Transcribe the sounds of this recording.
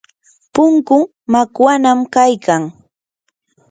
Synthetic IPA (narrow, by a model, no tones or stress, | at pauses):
pʊŋkʊ | makwanamkajkʰaŋ